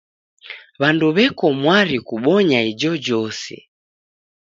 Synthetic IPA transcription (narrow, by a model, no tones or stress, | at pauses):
βanduβɛkɔmwaɾikuɓɔɲaid͡ʒɔd͡ʒɔsɛ̰